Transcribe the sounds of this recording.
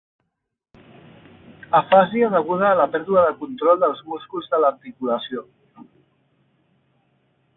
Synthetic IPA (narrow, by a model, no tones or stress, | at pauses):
əfaziaðəɣ̞uð̞aːləpɛɾðuəðəkunt̪ɾɔlˠd̪əlˠzmuskuzðəlaɾt̪ikuləsio